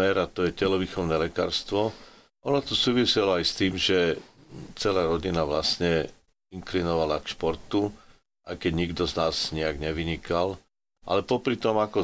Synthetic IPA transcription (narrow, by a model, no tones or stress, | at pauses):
ɛɾat̪ɔjɛcɛlɔʋixɔʊnɛlɛka̰ːɾst̪ʋɔ | ʔɔnɔt̪ɔsuːʋisɛlɔajst̪iːmʒɛ | t͡sɛlaːɾɔɟinaʋlasɲɛ | iŋklinɔʋalakʃpɔɾt̪u | ʔajkɛɟɲiɡd̪ɔznaːzɲɛaɡɲɛʋiɲikal | ʔa̰lɛpɔpɾit̪ɔmakɔ